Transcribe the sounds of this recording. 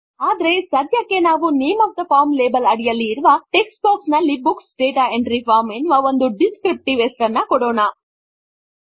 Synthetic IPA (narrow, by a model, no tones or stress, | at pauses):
aːd̪ɐɾe̞sɐd̪jɐkːe̞naːʋuneːmɐːfd̪ɐpʰaːɾmleːbɐlɐɽijɐlːiːɾuʋɐʈekspaːksnɐlːibuksɖeːʈaeɳɖɾipʰaːɾmenːuʋɐond̪uɖiskɾip̚ʈiʋesʈɐnːɐkɔɽoːnɐ